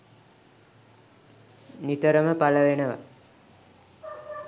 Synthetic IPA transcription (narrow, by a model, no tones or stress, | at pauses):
nit̪əɾəməpaləʋenəʋa̰